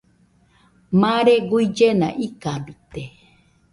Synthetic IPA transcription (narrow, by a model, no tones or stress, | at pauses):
maɾeɡuid͡ʒenã̰ʔikambit̪e